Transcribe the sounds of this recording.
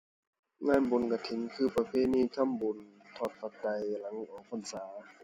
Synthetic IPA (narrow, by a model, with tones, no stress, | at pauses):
ŋaː˧˥˨nbo˨nka˧˩t̪ʰɯ˨˦ŋkʰɯː˧˩pa˧pʰeː˧˥˨niː˧˩˨t̪ʰa˧˥˨mbu˨nt̪ʰɔ˧˩t̪̚pa˧t̪a˧jla˨˦ŋ˧ʔɔː˨˩kʰo˧˥˨nsaː˨˦